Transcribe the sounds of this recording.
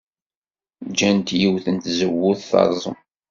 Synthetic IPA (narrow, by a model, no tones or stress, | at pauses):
d͡ʒænt̪jiwθənt̪zəwːʊθθɑ̰ɾˤzˤə̰m